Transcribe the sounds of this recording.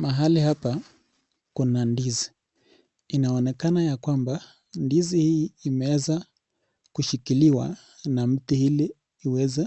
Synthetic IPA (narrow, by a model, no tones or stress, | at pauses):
maɦalihapa | kunandizi | inaɔnɛkanajakwamba | ndizihiːmɛwɛza | kuʃikiliwa̰ | nam̩tihiliː | wɛza